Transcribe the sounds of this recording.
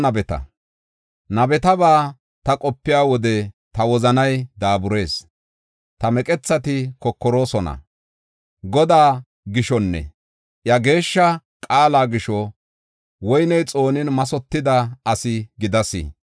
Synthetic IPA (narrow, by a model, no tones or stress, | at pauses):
nɐbɛt̪ɐ̰ | nɐbɛt̪ɐbaː | t̪ɐkʼɔpːɪjaːwɔd̪ɛt̪ɐwɔzɐnɐjd̪aːbʊɾe̞ːs | t̪ɐmɛkʼɛt͡sːɐt̪ɪkɔkːɔɾo̞ːsɔnɐ̰ | ɡɔd̪aː | ɡɪʃɔnːɛ̰ | ʔjɐɡe̞ːʃːɐkʼaːlaːɡɪʃɔ | wɔjnɛjt͡sʼo̞ːnɪnmɐsɔt̪ːɪd̪ɐɐsɪɡɪd̪ɐsɪ̰